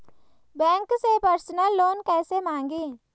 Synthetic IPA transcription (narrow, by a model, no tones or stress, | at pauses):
bɛ̃ːŋksepəɾsnəlːoːnkɛːsemãːŋɡiː